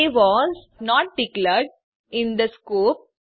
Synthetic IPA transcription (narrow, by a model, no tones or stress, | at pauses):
iʋɔːz | nɔːʈ̚bɪkləɾɖ | ɪ̃nd̪əskuːp̚